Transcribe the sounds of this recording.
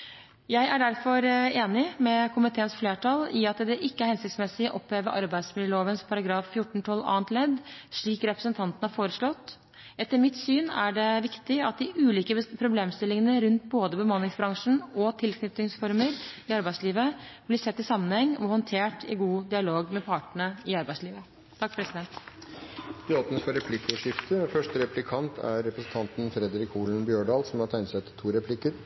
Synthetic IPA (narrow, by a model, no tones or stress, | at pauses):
jæɪʔæɖæɾfɔɾeːnɪmɛkʰʊmɪt̪ʰeːənsfleːʈʰɑlɪɑt̪d̪ɛʔɪkːəæɾhɛnsɪkt̪smɛsɪʔɔpːeːʋəɾʔɑ̰ɾbæɪsmɪljəloːʋənspʰɑɾɑɡɾɑːffjʊʈːɳ̩t̪ʰɔlːɑ̰ːənt̪lɛd̪ʂɭiːkɾɛpɾəsənt̪ʰɑnt̪ənəhæɾfoːɾəʂlɔt̪ː | ɛt̪ːəɾmɪt̪syːnæɖɛʋɪkt̪ɪɑt̪̚d̪ɪʔʉːliːkəpʰɾʊbleːmst̪ɪlːɪŋənəɾʉnt̪boːd̪əbəmɑnlɪŋsbɾɑŋʂn̩ɔt̪ʰɪlkʰnʏt̪nɪŋsfɔɾməɾɪɑɾbæɪsliːʋəb̥lɪsɛt̪ːɪsɑmːənhɛŋːɔhɔnt̪ʰeːʈʰɪ̰ɡuːd̪ɪɑloːɡmɛpʰɑʈəɳəɪɑɾbæɪsliːʋə | t̪ʰɑkːfɾɛsɪd̪ɛnt̪ | d̪ɛɔp̪nəsfɔɾɛpʰlɪkːʊʂɪft̪əfœʂʈəɾɛpʰlɪkʰɑnt̪ʰæ̰ɾːɛpɾəsn̩t̪ʰɑnt̪n̩fɾɛd̪ɾɪkʰuːln̩bjøːɳɖɑːlsɔmhɑʈ̪tʰæɪnsɛt̪ʰːt̪ʰːuːɾɛpʰlɪkəɾ